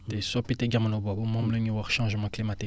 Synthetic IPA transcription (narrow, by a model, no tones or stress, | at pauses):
t̪esapit̪eɡamanobabomãmləɲiwaʁʃɑ̃ʒmɑ̃klimat̪i